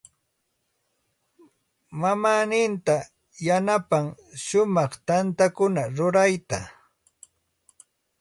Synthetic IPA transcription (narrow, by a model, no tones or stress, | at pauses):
mamaːnɪnt̪a | janapaŋʃʊmɑχt̪ant̪akʊnaɾʊɾajt̪a